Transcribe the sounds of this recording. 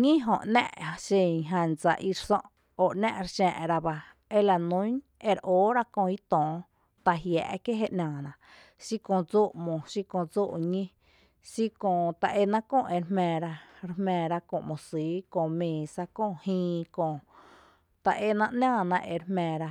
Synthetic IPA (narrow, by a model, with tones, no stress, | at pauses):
ɲĩ˦ɦõ̰˨ʔnɛ̰̃˦˧ʔʃẽ˧˨ŋɦã˧˨nd͡za˧ʔi˧ɾsɔ̃˦˧ʔ | o˨ʔnɛ̰̃˦˧ʔɾʃɛ̰̃ː˧ʔɾa˧ba˧ | e˧la˨nũ˦ɲe˧ɾʔoː˨˦ɾa˦kõ˧i˦t̪ɔ̃ː˨ | t̪a˧ɦjɛ̰ː˧˨ʔke˦ɦe˦ʔnʲãː˨nã˧˨ | ʃi˦kõ˧˨d͡zo˦ʔmõ˨ʃi˦kõ˧˨d͡zoː˦˨ʔɲĩ˦ | ʃi˦kõ˧˨t̪a˧˨ʔe˧nã˦kõ˧˨ʔe˧ɾmɛ̃ː˧˨ɾa˧ɾhmɛ̃ː˧˨ɾa˧kõ̰˧˨mõ˨siː˨˦kõ˧˨mẽː˨sa˧kõ˦˧˨hĩː˧kõ˧˨ | t̪a˨ʔe˧nã˧ʔnãː˦˧˨nã˧ʔe˧˨ɾhmɛ̃ː˧˨ɾa˧